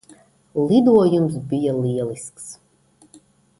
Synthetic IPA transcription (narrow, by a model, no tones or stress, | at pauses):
lˠid̪uɔjums̬bʲijaliɛlˠisks